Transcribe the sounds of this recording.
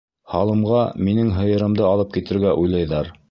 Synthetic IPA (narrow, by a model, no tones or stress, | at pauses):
hɑlˠɤ̆mʁɑminɘŋɦɤ̆jɤ̆ɾɤ̆md̪ɤɑlˠɤp̚kit̪ɘ̆ɾɡæʔujlˠɑjðɑɾ